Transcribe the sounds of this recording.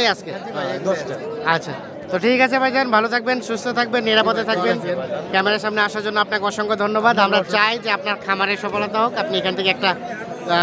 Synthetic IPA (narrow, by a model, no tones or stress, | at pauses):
jaske | atːɕʰa̰ | t̪oʈʰikat͡ɕʰebajkʰbenbʱalot̪ʰak̚benʃust̪ʰot̪ʰak̚benːiɾapot̪et̪ʰakbenkɛmeɾaɾʃamneaʃaɾd͡ʑonːoapnakeɔʃɔŋɡod̪ʱonːobad̪amɾat͡ɕajd͡ʑeapnaɾkʰamaɾeʃɔfolat̪aɦokapniekʰant̪ʰekeɛk̚ʈa